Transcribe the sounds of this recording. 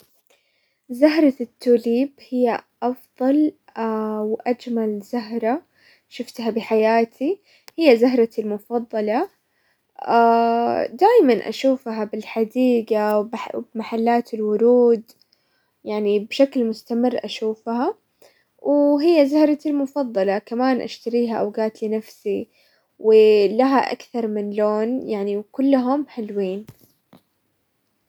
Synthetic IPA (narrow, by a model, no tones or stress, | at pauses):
zaɦɾˤɑt̪ːuːliːbhɪjːaʔɑfðˤɑl | wʔad͡ʒmalzaɦɾˤɑ | ʃʊft̪habɪħajaːt̪ʰi | hɪjːazaɦɾˤɑɪlmʊfɑðˤːɑlɑ | ʔad̪aːʔmanʔa̰ʃuːfɦabɪlħad̪iːɡawbbmaħalːaːt̪ɪlwʊɾuːd̪ | jaʕnibʃaklmʊst̪amɪrːʔaʃuːfha | wʔɦɪjːazahɾˤɑɪlmʊfɑðˤːɑlɑkamaːnʔa̰ʃt̪aɾiːɦaʔa̰wɡaːt̪lɪnafsi | wɪlaɦaʔa̰kθɑɾˤmɪnloːnjaʕniwkʊlːʊɦʊmħɪlwiːn